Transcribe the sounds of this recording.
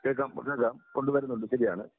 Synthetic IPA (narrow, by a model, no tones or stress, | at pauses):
keɭkaːm̰kːeɭkaːmko̞ɳɖɨʋɐɾunːuɳɖɨɕɐɾija̰ːɳɨ